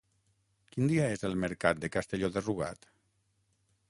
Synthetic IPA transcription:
kind̪iaezəlˠməɾkat̪̚d̪ekast̪eʎoðeruɣ̞a̰t̪

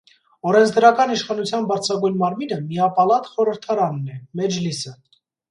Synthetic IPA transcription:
ɔɾɛnt͡sʰd̪əɾɑkɑniʃχɑnut͡sʰjɑnbɑɾt͡sʰɑɡujnmɑɾminəmiɑpɑlɑt̪χɔɾəɾt̪ʰɑɾɑnːɛmɛd͡ʒlisə

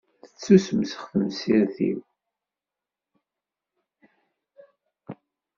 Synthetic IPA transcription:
θə̥t͡sːusməsə̥χθəmsiɾθḭw

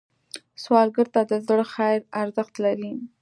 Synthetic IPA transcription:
swɑlɡəɾt̪ad̪əzəɽxajɾaɾzəxt̪laɾi

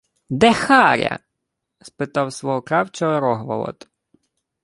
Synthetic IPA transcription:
d̪ɛxɑɾʲɐ̰ | spɪt̪ɑwsʋɔɦɔkɾɑwt͡ʃɔɦɔɾɔɦʋɐ̰lˠɔ̰t̪

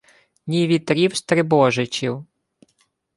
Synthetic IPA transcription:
nʲiʋʲit̪ɾʲiwst̪ɾɪbɔʒɪt͡ʃʲiw

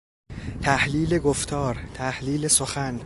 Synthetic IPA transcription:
t̪ʰæhliːle̞ɡoft̪ʰɒːɾt̪ʰæhliːlesoxæn

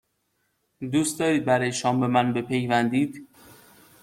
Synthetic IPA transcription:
d̪uːst̪d̪ɒːɾiːd̪̚bæɾɒːjeʃɒːmbemænbe̞pʰejvænd̪iːd̪̥

